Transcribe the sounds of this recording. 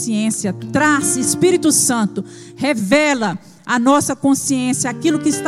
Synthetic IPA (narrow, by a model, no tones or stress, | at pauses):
siẽsjɐt̪ɾasɪspiɾit̪ʊsɐ̃nt̪ʊ | hevɛlɐ | ɐnɔsɐkõsiẽsjɐakilʊkɪst̪